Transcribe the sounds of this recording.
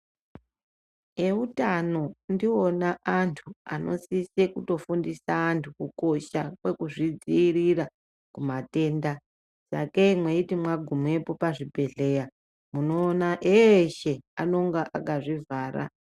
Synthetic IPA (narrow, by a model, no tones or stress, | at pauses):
e̞utano̞ndionaʔantʰua̰no̞̰sisekuto̞fundisaːntʰukuko̞ʃakwe̞kuʐid͡ziːrira | kumate̞ːnda | sa̰keimweitimwaɡʱumue̞po̞paʐibʱe̞ɮe̞ja | munoːnaʔeʃe̞ano̞ŋɡaʔakaʐivaːra̰